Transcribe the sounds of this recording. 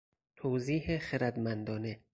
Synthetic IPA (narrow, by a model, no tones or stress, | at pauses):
t̪ʰoːziːhexeɾæd̪mænd̪ɒːne